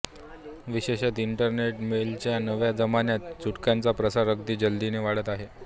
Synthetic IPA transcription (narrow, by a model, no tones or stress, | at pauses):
ʋiɕeɕat̪iɳʈəɾneʈmelt͡ɕjanəʋjad͡zəmanjat̪t͡suʈkjant͡sapɾəsaɾək̚d̪iːd͡ʑəld̪ineʋaɽət̪aɦe